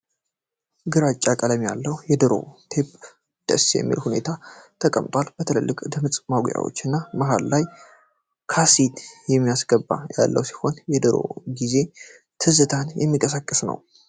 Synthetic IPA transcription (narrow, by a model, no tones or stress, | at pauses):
ɡɨɾat͡ʃʼːakʼələmja̰lːəhujɛd̪ɨɾo̞̰t̪ʰe̞pʼ | d̪̥ə̰sjɛ̰mːḭlhune̞̰t̪ʰat̪ʰəkʼəmt̪ʼwalb̥ət̪ʰɨlə̰lːɨkʼd̪ɨmɨt͡sʼmaɡja̰wo̞̰t͡ʃːɨnːaməɦalːaj | kʰasit̪jɛmːijasɡəbːa̰ja̰lːʔə̰wsi̥ho̞njɛd̪ɨɾo̞̰ɡize̞ | t̪ʰɨzɨt̪ʰanjʔɛ̰mːikʼəsakʼːɨsnə̰w